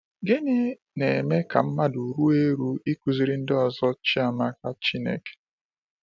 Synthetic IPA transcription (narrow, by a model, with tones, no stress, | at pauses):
ɡɪ˦nɪ˦ | ne˨me˦ka˨m̩˦ma˦du˨ɾu˦e˦ɾu˦i˦ku˨zi˦ɾi˦n̩˦dɪ˦ɔ˨zɔ˦t͡ʃi˦a˨ma˦ka˦t͡ʃi˦nḛ˨ke̥˨